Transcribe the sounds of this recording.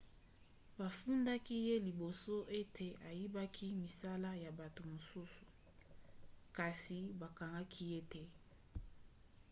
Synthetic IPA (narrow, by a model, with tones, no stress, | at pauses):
ba˨fu˦nda˦ki˦je˦li˨bo˨so˦ʔe˦tʰe˨ʔa˨ji˦ba˦kʰi˦mi˨sa˦la˦ja˨ba˨to˨mo˨su˦su̥˨ | ka˨si˨ba˨ka˨ŋɡa˦kʰi˦je˦tɛ˦